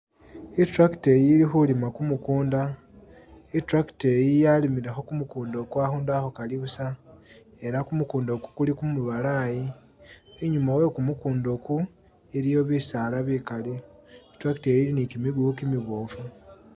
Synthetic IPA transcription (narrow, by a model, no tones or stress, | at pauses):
etɾaki̥te̞jilixulimakumukuːnda | itɾaki̥tejijalimiɾexo̞kumukuːndo̞kwaːxuːndaxokaliβusa | e̞ɾakumukuːndo̞ku̥kulikumuβalaːji | eɲumawe̞kumukuːndo̞ku | eɾijo̞βisaːlaβikaliitɾaktejilinikimiɡukimiβoːfu